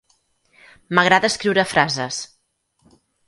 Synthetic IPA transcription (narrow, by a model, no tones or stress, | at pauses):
məɣɾaðəːskɾiwɾəfɾazəs